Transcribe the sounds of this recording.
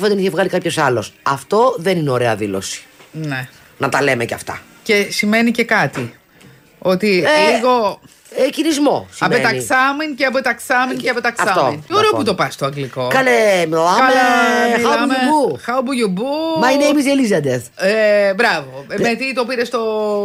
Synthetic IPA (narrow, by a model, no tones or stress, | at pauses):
fɐðniçevɣɐlikɐpço̞sɐlo̞sɐft̪o̞ðenineoɾe̞ɐðilo̞̰si̥ne | nɐt̪ɐle̞mecɐ̰ft̪ɐ̰ | ce̞sime̞nice̞kɐt̪i | o̞t̪iliɣo̞ | ecinizmo̞sɐpet̪ɐksɐminceɐpot̪ɐksɐminceɐpot̪ɐksfɐt̪ominoɾeoput̪o̞pɐst̪oɐŋɡliko̞kɐnemoɐkɐlɐɐmubuxɐobuʝubumɐineimizelizɐd̪eθbɾɐvomet̪it̪o̞piɾe̞st̪o